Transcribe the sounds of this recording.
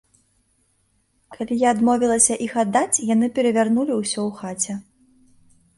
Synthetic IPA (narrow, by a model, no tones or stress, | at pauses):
kalʲijaːd̪mɔvʲilˠɐsʲɐʔixad̪ːat͡sʲjan̪ɨpʲɛɾɐvʲarnulʲiwsʲɔwxat͡sʲɛ